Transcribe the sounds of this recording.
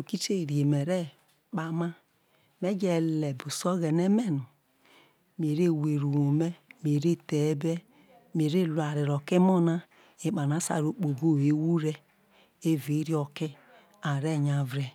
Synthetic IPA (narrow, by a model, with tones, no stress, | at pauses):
o˨ki˦t͡ʃe˦˨ɾi˨e˨me˨ɾɛ˦ | k͡pa˦ma˦ | me˦d͡ʒe˨lɛ˨bu˨so˦ɣɛ˨ne˦me˦nu˨ | m˨e˨ɾe˦˨we˨ɾu˨wo˨me˦me˨ɾe˦te˨˦bɛ˦ | me˨ɾe˦˨lu˨a˨ɾi˨ɾo˨ke˦mo˦na˦ | e˨k͡pa˨n˨a˨˦sa̰˨ɾo˨k͡po˨ɡo˦˨e˨˦wu˦ɾe˦ | e˦ve˨˦ɾi˦ɔ˨ke˦ | a˨ɾe˦˨ɲa˨vɾɛ˦